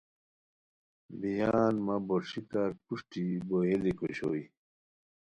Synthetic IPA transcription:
bijaːnmaboɾʂikaɾpuʂʈiboɦelikoɕo̰i

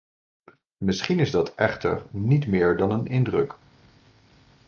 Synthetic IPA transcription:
mɪsχinɪzdɑtʰɛχtə̰ɹnitmɪːɹdɑnənɪndrɵk

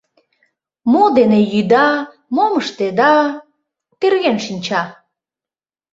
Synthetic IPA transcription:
mod̪enejyd̪ɑ | moməʃt̪ed̪ɑ | t̪erɣenʃinʲt͡ɕɑ

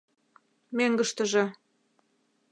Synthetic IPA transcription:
meŋɡəʃt̪ə̆ʒĕ

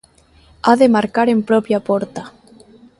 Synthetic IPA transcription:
aðemaɾkaɾempɾopjapoɾt̪a

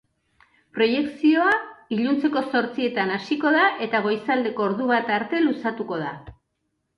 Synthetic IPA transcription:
pɾo̞je̞ksio̞aiʎunt͡se̞ko̞so̞ɾt͡sie̞t̪anasiko̞ð̞aʔe̞t̪aɣ̞o̞jsald̪e̞ko̞ːɾðuβ̞at̪aɾt̪e̞lusat̪uko̞ð̞a

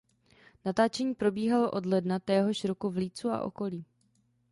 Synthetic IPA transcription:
nat̪aːt͡ʃɛɲiːpɾobiːɦaloʔo̞dlɛdnat̪ɛːɦo̞ʃɾokuvliːt͡sua̰ʔo̞̰ko̞liː

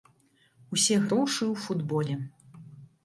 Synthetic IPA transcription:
usʲɛɣɾɔwʂɨwfud̪bɔlʲɛ

